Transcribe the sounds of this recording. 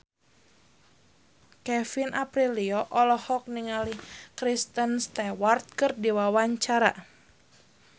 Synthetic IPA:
kɛfinʔapɾiliɔʔɔlɔhɔk̚niŋalikɾist̪ənst̪ɛwart̪̚kɨrdiwawaɲt͡ʃaɾa̰

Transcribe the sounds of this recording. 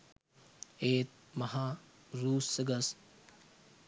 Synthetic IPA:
eːt̪̚ | mɐɦaː | ɾuːsːəɡɐs

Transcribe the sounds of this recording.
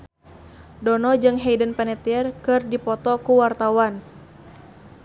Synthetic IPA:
dɔnɔd͡ʒɨŋɦejdənpanɛt̪iɛrkɨrdipɔt̪ɔkuwart̪awan

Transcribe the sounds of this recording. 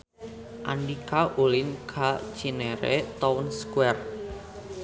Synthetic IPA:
ʔaɳɖikaʔulɪnkʰḁt͡ʃineɾḛt̪ɔʊnskwɛr

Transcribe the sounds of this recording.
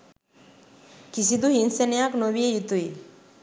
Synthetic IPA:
kis̬id̪uɦinsenejaknoβiejit̪uj

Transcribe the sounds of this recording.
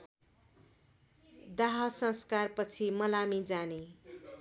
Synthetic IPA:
d̪aɦʌsʌ̃skarpʌt͡sʰimʌlamid͡zane

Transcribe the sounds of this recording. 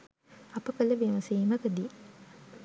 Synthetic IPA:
ɐpəkələʋemɐsiːməkəd̪i

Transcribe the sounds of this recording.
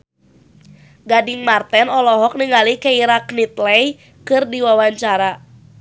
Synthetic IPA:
ɡadiŋmart̪ɛnɔlɔɦɔk̚niŋalikaiɾaknit̪lɛj | kɨrdiwawaɲt͡ʃaɾa

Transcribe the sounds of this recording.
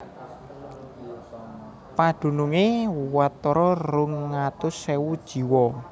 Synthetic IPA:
paɖ̪̥ṳnuŋewat̪ːɔɾɔrʊŋːat̪ʊsewud̥ʒ̥i̤wɔ

